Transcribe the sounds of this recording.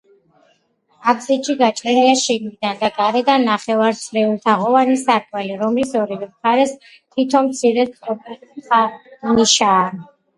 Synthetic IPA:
akʰsit͡ʃʰiɡat͡ʃʼɾɛliaʃiɡwid̪and̪aɡaɾɛd̪anːaχɛvaɾsʰɾɛvult̪ʰaʁɔvanisaɾtʼwɛliɾɔmlisɔɾivɛmχaɾɛs | t̪ʰwit̪ʰɔnmt̪sʰiɾɛɔbianiʃaː

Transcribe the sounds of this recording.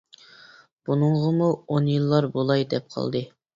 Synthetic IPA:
b̥unɨŋʁəmuonjɨlˠːɑɾbolˠɑjd̪ɛp̚qʰɑ̰lˠd̪ɨ

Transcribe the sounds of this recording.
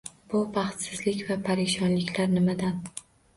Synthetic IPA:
b̥ʊbɑχt̪sɪzlɪkʲvapʰaɾeʃɒnlɪkʲʰlaɾnɪmad̪an

